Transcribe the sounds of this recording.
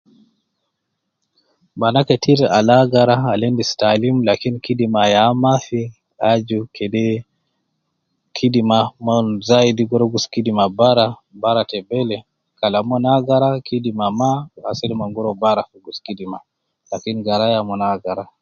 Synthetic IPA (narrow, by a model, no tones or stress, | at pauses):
banakɛtʰiɾalaɡaɾaːlɛndistalimlakinikidimajamafi | ad͡ʒukʰɛdɛ | kʰidimamɔnzajdiɡɔɾɔɡuskidimabaɾabaɾatɛbɛlɛ | kalamɔnaɡaɾakʰidimamaa̰sɛlimaŋɡuɾɔbaɾafuɡuskidima | lakiniɡaɾajamɔnaɡaɾa